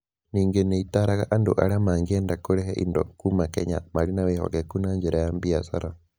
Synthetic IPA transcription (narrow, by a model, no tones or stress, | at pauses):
niːŋɡeneitaɾaɣaʔando̰ʔaɾeamaːŋɡiɛndakoɾɛɦɛʔḭndɔ̰kumakɛɲa̰maɾinawehɔ̰ɣɛkunaɲd͡ʒɛɾajambiasaɾa